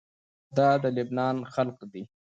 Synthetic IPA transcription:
d̪ɑd̪əlɪbnɑnxalqd̪i

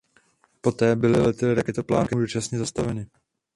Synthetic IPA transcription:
po̞t̪ɛːbɪlɪlɛt̪ɪlɪɾakɛt̪opla̰ːŋkɪdut͡ʃasɲɛzast̪avɛnɪ

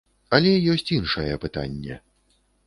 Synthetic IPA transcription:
ɐlʲɛjɔsʲt͡sʲinʂɐjɛpɨt̪a̰nʲːɛ̰

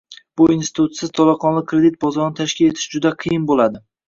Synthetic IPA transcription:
b̥ʊinsɪt̪ʰut̪sɪz̥t̪ʰɒlˠɑqʰɒnlˠɪk̚ʲkʰːɾed̪ɪt̪̚bɒzɒɾnɪt̪ʰaʃkʲɪle̞t̪ʰɪ̥ʃd͡ʒʊd̪aqʰɨjɪnbolad̪ɪ

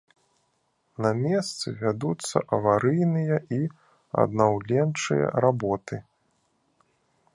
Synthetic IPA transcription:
nɐmʲɛst̪sɨvʲad̪ut̪sːɐ̰ʔɐvaɾɨjnɨjɐʔi | ɐ̰d̪nawlʲɛnt͡ʂɨ̰jɐ̰ɾabɔt̪ɨ

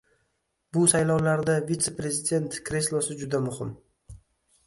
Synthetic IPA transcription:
bʊsajlɒwlaɾd̪avit̪se̞pɾe̞zid̪ʲe̞nt̪kɾʲeslˠosɪd͡ʒʊd̪amʊhɪm

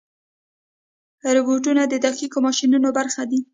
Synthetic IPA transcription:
ɾɪboʈunad̪əd̪axikomɑʃinunobaɾxad̪i

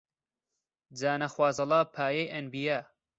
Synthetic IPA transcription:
d͡zaːnɐxwaːzɐlaːpʰaːjejʔɐnbijaː

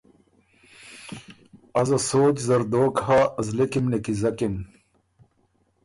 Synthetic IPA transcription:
ɐzɐsoːt͡ɕzɐɾd̪oːkhaːɐzlekimnekizɐkim

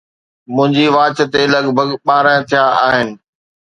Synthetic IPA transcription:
mʊ̃ɦɪ̃ɲd͡ʑiʋaːt͡ɕət̪elɐɡbʱəɡɓaːɾə̃ːt̪ʰijaaːɦɪnɪ̆

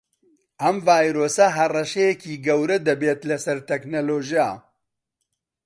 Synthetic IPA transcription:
ʔɐmvaːjɾoːsɐɦɐrɐʃejɛkʰiːɡɐwɾɐd̪ɐbeːt̪lɐsɐɾt̪ʰɛknoloːʒija̰

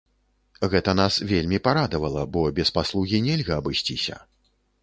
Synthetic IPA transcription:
ɣɛt̪ɐn̪asvʲelʲmʲipaɾad̪ɐvɐlˠɐbɔbʲɛspaslˠuɣʲinʲɛlʲɣɐːbɨsʲt͡sʲisʲɐ̰

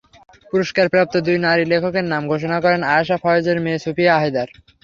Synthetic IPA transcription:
puɾoʃkaɾpɾap̚t̪od̪ujnaɾilekʰokeɾnamɡʱoʃonakɔɾenaeʃafʰɔjod͡ʑeɾmeːsupiaaɦid̪aɾ

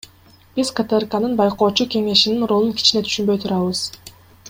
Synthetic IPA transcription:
b̥izkət̪ɛrkanɯnbɑjqo̞ːt͡ʃuke̞ŋe̞ʃininɾo̞lˠunkʰi̥t͡ʃine̞t̪ʰy̥ʃynbø̞jt̪ʰuɾɑβɯz̥

